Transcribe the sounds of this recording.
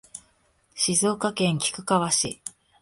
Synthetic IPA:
ɕizo̞ːkakẽ̞ŋkʲi̥kɯ̟̥kaβaɕi

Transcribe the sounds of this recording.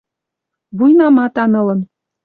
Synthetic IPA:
βujnɑmɑt̪ɑnɤ̆lɤ̆n

